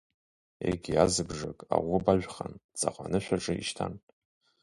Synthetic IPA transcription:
ḛɡʲiazɨbʐakʼaʁʷʊbaʒᶣʷχand͡zʼaqʷʼanɨʃʷᶣaʈ͡ʂʼɨiʃtʰan

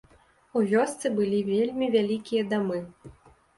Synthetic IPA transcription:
uvʲɔst̪sɨbɨlʲivʲelʲmʲivʲalʲikʲijɐd̪amɨ

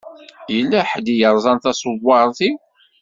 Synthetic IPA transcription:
jəlːæħd̪ijəɾˤzˤɑnθæsˤəwːɑɾˤθi

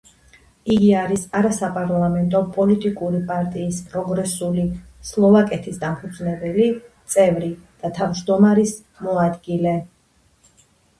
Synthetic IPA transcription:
iɡiaɾisaɾasapʼaɾlˠamɛnt̪ʼɔpʼɔlit̪ʼikʼuɾipʼaɾt̪ʼiːspʼɾɔɡɾɛsulislˠɔvakʼɛt̪ʰisd̪ampʰud̪znɛbɛlit̪sʼɛvɾid̪̥at̪ʰavd͡ʒd̪ɔmaɾis | mɔad̪ɡilɛ

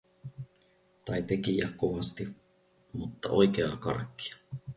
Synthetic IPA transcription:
t̪ɑjt̪e̞kijækkːoʋɑst̪i | mut̪ːɑ̰ʔo̞jk̟e̞ɑkɑ̰rkːi̥ɑ̥

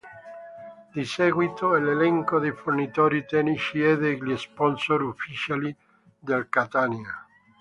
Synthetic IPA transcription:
d̪isɛːɡwit̪oɛlelɛŋkod̪ejfornit̪oːɾit̪ɛniʃiɛd̪eɡlespɔnsoɾufːit͡ʃali | d̪elkat̪ania

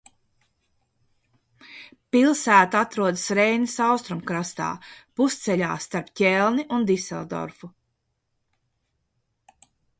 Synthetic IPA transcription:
pilˠsæːt̪at̪ɾuɔd̪ɨsɾɛjnisawst̪ɾumkɾast̪a̰ːpust̪sɛʎʲa̰ːst̪aɾpcʲɛlˠniʔund̪isɛ̰lˠd̪ɔ̰ɾfu

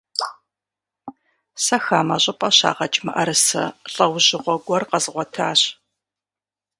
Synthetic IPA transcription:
sɐxaːmɐɕʼɨpʼɐɕa̰ːʁɐt͡ʃʼmɨʔɐɾɨsɐ̰ɬʼɐwʑɪʁʷɔɡʷɔrqɐzʁʷɔtʰaːɕ

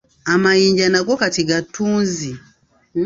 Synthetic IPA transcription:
amaiɲd͡ʒanak̬ɔkatiɡatunzi

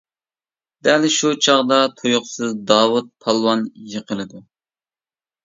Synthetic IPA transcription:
d̪̥ɛlʃut͡ʃʰɑʁd̪ɑt̪ʰojʊχsɨzd̪ɑːwut̪̚pʰɑlˠwɑnjəqʰəlˠɨd̪u

